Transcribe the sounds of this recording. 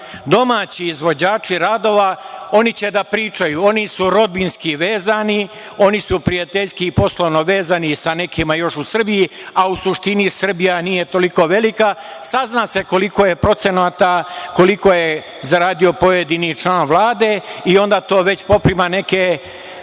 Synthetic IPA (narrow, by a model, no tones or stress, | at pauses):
d̪o̞maːt͡ɕiːzʋo̞d͡ʑaːt͡ʃiɾaːd̪o̞ːʋao̞nit͡ɕe̞d̪apɾiːt͡ʃajuo̞nisuɾo̞d̪̚binskiʋe̞ːzani | o̞nisupɾijat̪eʎskiːpo̞slˠoʋno̞ʋe̞ːzanisane̞kimajo̞ʃusr̩bijiausuʃt̪inisr̩bijanije̞t̪o̞liko̞ːʋe̞lika | saznaːse̞ko̞liko̞je̞pɾo̞t̪se̞nat̪ako̞liko̞je | zaɾaːd̪io̞po̞je̞d̪init͡ʃlaːnʋlˠaːd̪e̞io̞nd̪aːt̪o̞ːʋe̞t͡ɕpo̞pɾimane̞ke